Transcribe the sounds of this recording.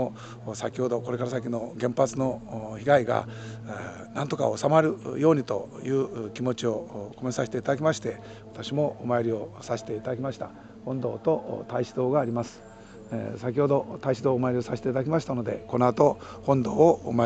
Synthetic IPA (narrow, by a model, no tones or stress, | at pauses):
o | sakʲiho̞d̪o̞ko̞ɾe̞kaɾasakʲino̞ɡẽ̞mpat͡sɨno̞çiɡaiɡa̰ | nãnt̪o̞ka̰osamaɾɯ̟jo̞ːɲ̟it̪o̞̰jɯ̟ːkʲimo̞t͡ɕio̞ko̞mẽ̞saɕi̥t̪e̞it̪ad̪akʲimaɕi̥t̪e̞ | βat̪aɕimo̞ːmajoɾʲio̞saɕi̥t̪e̞it̪ad̪akʲimaɕi̥t̪a̰ | hõ̞nd̪o̞ːt̪o̞ʔt̪aiɕi̥d̪o̞ːɡaːɾʲimasɨ̥ | sakʲiho̞d̪o̞ʔt̪aiɕid̪o̞ːmajɾio̞saɕit̪et̪ad̪akʲimaɕi̥t̪ano̞d̪e̞̰kono̞at̪ohõ̞nd̪o̞ːma